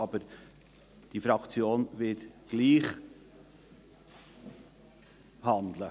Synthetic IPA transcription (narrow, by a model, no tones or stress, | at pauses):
ɑbəɾ | d̥ifɾɑkt͡sjoːnvɪtɡ̥liːχ | hɑnd̪lə